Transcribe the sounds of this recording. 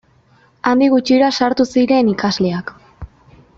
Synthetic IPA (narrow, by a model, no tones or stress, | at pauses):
and̪iɣ̞ut͡ʃiɾasaɾt̪usiɾe̞nikazle̞ak